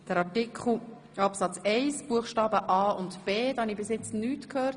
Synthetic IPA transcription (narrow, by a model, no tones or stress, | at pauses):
d̥əɾɑtikχl̩ | ɑpsɑt͡sɛɪsb̥uəχʃtɑːbəʔɑːʊntb̥eːd̥̪ɑhɑnibɪsjɪt͡snyːtkʰhøːɾ